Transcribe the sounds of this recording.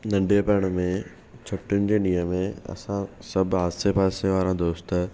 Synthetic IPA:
nɐ̃ɳɖiəpɛəɽ̃mẽ | t͡ɕʰʊʈjʊnɪ̆d͡ʑeːnĩːəmẽɐ̰sãsɐbʱɦaːdsepaːseʋaːɾãd̪oːst̪

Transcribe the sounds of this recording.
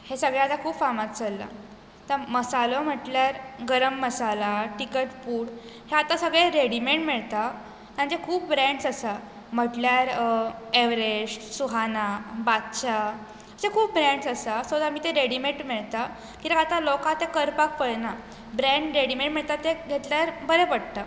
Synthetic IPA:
hesəɡɭeat̪akʰuːpfamat̪t͡səlːa̰ | t̪əməsalom̤əʈljaɾɡəɾəmːəsalaʈikəʈfuːɽ | heat̪asəɡɭeɾeɽimeɳʈmeɭt̪a | t̪aɳd͡ʑekʰuːp̚bɾɛ̃ɳɖsəsa | m̤əʈljaɾeʋɾed͡ʑsuɦanabatt͡ɕa | əsekʰuːp̚bɾɛ̃ɳɖsəsasod̪amiːt̪eɾeɽimeʈmeɭt̪a | kĩt̪aat̪alɔkat̪ekəɾpak̚pəɽna | bɾẽɳɖɾeɽimeɳʈmiɭt̪at̪eɡʱet̪ljaɾbəɾepəɽt̪a

